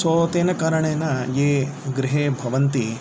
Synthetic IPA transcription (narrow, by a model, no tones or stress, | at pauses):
soːt̪eːnɐkaːɾɐɳeːnɐjeː | ɡɾiɦeːbʱɐʋɐnt̪i